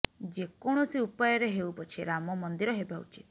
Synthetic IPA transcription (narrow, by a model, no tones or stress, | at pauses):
d͡ʒekɔɽ̃ɔsiupajɔɾeɦeupɔt͡ʃʰiɾamɔmɔnd̪iɾɔɦebaṵt͡ʃi̥t̪